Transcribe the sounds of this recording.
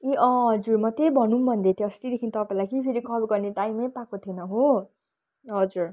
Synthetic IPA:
iʔʌɦʌd͡zurmʌt̪ebʱʌnũmbʱʌnd̪et̪ʰiʌst̪id̪ekʰint̪ʌpaĩlajkipʰeɾikʰʌlɡʌrneʈajmejpakot̪ʰienʌɦo | ɦʌd͡zur

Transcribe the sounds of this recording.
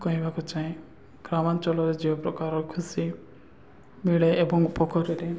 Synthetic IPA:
kɔɦĩbʱakut͡ʃaĩ | ɡ̥ɾamant͡ʃɔlɔɾed͡ʒiɔpɾɔkaɾɔkʰusi | miɭeebɔŋpɔkʰɔɾeɾe

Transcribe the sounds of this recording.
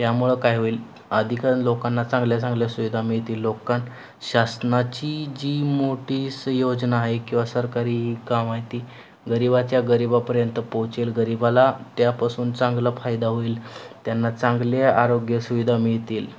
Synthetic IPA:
t̪jamuɭekajɦoiːl | əd̪ʱikaɾənlokanːat͡sãŋɡljat͡sãŋɡljasuʋid̪ʱamiɭt̪iːlːokan | ɕasnat͡ɕid͡ʑiːmoʈiːsjod͡ʑnaːɦekĩw̃ʋasəɾkaɾiːɦiːkamaɦjt̪iː | ɡəɾibat͡ɕjaɡəɾibapəɾjənt̪əpõwt͡ɕelɡəɾibalat̪japasuːnt͡sãŋɡlafajd̪aɦoiːlt̪janːat͡sãŋɡleaɾoɡjəsuʋid̪ʱamiɭt̪iːl

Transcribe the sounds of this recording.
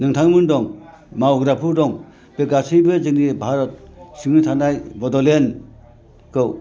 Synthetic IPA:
nɯŋtʰaŋmɯndɔŋ | mawɡɾapʰuɾdɔŋ | pekasijbɯzɯŋnibʱaɾɔt̪̚siŋnitʰanajbɔdɔlen | kɯw

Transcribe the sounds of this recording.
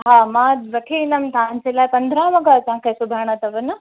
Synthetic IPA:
ɦaːmãʋɐkʰinɐmt̪ãɲt͡ɕeːlaːipɐ̃nd̪ʱɾãʋɐɡat̪ɐɦãkʰesʊbʱaɽ̃ət̪ɐʋɐnə

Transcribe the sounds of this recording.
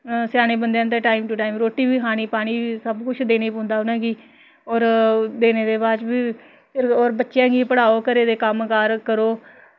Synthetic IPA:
sjaːñeːbənd̪ejãːt̪̬eːʈaːimʈʊʈaːiːmɾoːʈːiːbiːɦaːɽ̃iːpaːɽ̃iːiːsəbkʊt͡ʃʰd̪eːneːpõːnd̪aːʊnãːɡiː | ɔːɾd̪eːneːd̪eːbaːd͡ʒbiː | pʰɪɾoːɾbətːʃjãːɡiːpəɽaːoːkəɾeːd̪eːkəmkaːɾkəɾoː

